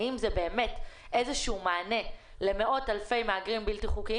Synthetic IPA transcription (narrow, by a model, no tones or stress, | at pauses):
imzebe̞ːme̞t | ezeʃuumaːne̞ | le̞me̞ʔo̞thalfe̞jmaaɡʁimbiltiχuki